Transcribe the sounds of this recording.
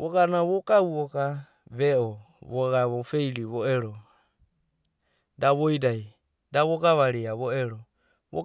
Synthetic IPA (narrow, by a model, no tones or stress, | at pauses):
βoɡanaβokauoka | βeo | βoɡaβofejliβoeɾo | daβojdaj | daβoɡaβaɾiaβoeɾo | βo̰